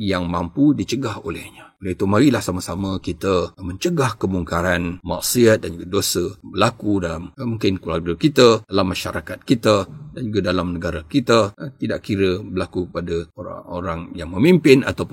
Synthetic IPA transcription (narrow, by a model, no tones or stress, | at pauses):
jaŋmampudit͡ʃəɡaho̰lɛ̰hɲəolɛit̪umaɾilahsaməsaməkit̪əmə̃ɲt͡ʃəɡahkəmuŋkaɾanma̰ʔsiat̪̚dand͡ʒuɡadosəbəlakudalammuŋkɪnkəlarɡəkit̪ədalamːaʃa̰ɾakat̪̚kit̪ədand͡ʒuɡadalamnəɡaɾakit̪ət̪idaʔkiɾəbəlakukəpadəoɾa̰ŋo̰ɾaŋjaŋməmimpɪna̰t̪awpʊn